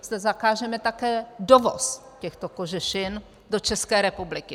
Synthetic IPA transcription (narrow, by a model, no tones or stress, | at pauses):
z̥d̪ɛzakaːʒɛmɛt̪akɛːdovo̰scɛxt̪o̞ko̞ʒɛʃɪn | do̞t͡ʃɛskɛːɾɛpublɪkɪ